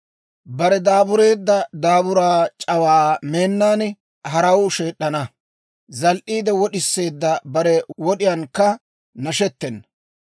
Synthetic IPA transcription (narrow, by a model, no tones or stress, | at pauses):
bɐɾɛd̪aːbʊɾe̞ːd̪ːɐd̪aːbʊɾaːt͡ʃʼɐwaːme̞ːnːaːn | ɦɐɾɐwʃe̞ːɗːɐnɐ | zɐlʔiːd̪ɛwɔɗɪsːe̞ːd̪ːɐbɐɾɛwɔɗɪjɐnkːɐ | nɐʃɛt̪ːɛnː